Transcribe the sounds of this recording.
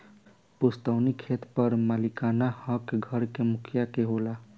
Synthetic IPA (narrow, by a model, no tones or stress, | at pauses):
pust̪əwnikʰet̪pʌɾmalikanahʌkɡʱʌɾkemʊkʰjakeɦola